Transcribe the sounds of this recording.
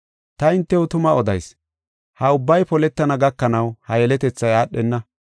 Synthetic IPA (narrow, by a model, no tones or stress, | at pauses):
t̪ɐɪnt̪ːɛʊt̪ʊmɐɔd̪ɐjs | hɐʊbːɐjpɔlɛt̪ːɐnɐɡɐkːɐnɐwhɐjɛlɛt̪ɛt͡sːɐjaːɗːɛnːɐ